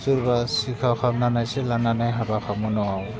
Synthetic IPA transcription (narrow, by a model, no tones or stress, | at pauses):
suɾbasikʰawkʰab̚nanajsɛlananajɦabakʰamɔnɔwaw